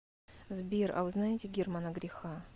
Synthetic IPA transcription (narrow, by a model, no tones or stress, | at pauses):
zbʲira̰vɨznajetʲɪɡʲermanaɡɾʲɪxa